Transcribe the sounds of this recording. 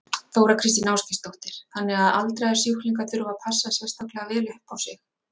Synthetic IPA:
θowɾakʰɾɪst̪inawskɪst̪owht̪ɪɾ̥θanːɪɣaða̰lt̪ɾajðɛɾ̥sjuhkliŋkaθʏɾʏvapʰasːasvɛst̪ahklɛɣavɛːlɪhɛhpawsɪx

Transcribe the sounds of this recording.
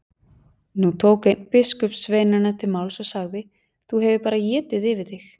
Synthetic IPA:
nut̪ʰoːwkɪnpɪskʏpsveːjnanat̪ʰɪlmaːwlsɔsaɣðɪ | θuɦɛvɪpaːɾajɛːt̪ɪðɪvɪðɪx

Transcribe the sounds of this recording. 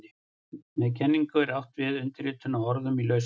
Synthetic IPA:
mɛðcʰɛnːiŋkʏɛɾawht̪vɪðʏnt̪ɪɾɪːt̪ʰʏnaɔɾðʏmilœɥs

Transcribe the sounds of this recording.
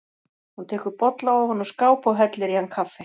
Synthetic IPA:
hunt̪ʰɛːkʏɾpɔt̪laawhɔnːɔskaːwpawɦɛt̪lɪɾihankʰafːɪ

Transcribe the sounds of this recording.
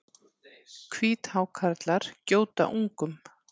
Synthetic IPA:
kʰviːt̪haːwkʰaɾt̪laɾ̥coːwt̪a̰ʔuŋkʏm

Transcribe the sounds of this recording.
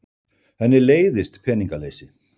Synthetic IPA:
hɛnːɪleːjðɪst̪pʰɛːniŋkaleːjsɪ

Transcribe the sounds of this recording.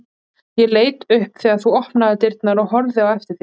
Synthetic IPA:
jɛleːjt̪ʏhpθɛːɣaɾ̥θuɔhpnaðɪt̪ɪɾt̪naɾɔɦɔɾðɪawɛft̪ɪɾ̥θi

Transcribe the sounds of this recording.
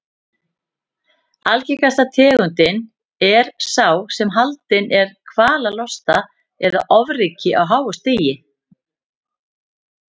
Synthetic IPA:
alcɛkast̪at̪ʰɛːɣʏnt̪ɪn | ɛɾ̥saːwsɛmɦalt̪ɪnʔɛɾ̥kʰvaːlalɔst̪a | ɛða̰ʔɔvrɪːcɪʔawɦaːwʏst̪eːjɪ

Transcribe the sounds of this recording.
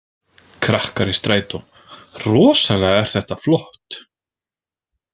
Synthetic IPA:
kʰɾahkaɾɪst̪ɾaːjt̪ʊm | rɔːsalɛɣaɛɾ̥θɛht̪aflɔht̪

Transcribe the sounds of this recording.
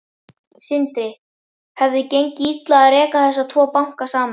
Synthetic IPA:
sɪnt̪ɾɪ | hɛvðɪcejɲcɪit̪laaðrɛːkaθɛsːat̪ʰvɔːpawŋ̥kasaːma

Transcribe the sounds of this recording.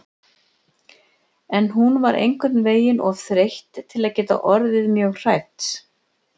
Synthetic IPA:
ɛnɦunvaɾʔḛjŋkʰvɛt̪nveːjɪnʔɔvθɾejht̪ʰːɪlaðcɛːt̪a̰ʔɔɾðɪðmjœːɣr̥aːjt̪s

